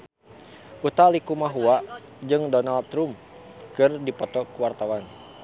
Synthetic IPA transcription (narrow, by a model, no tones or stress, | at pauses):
ʔut̪alikumaɦua | d͡ʒɨŋdɔnalt̪ɾum | kɨrdipɔt̪ɔkuwart̪awan